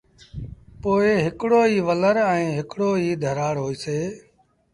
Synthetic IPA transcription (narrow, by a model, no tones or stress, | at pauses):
poːeɦɪkɽoːiːʋələɾɛ̃ːɦɪkɽoːiːd̪ʱəɾaːɽɦoːiːseː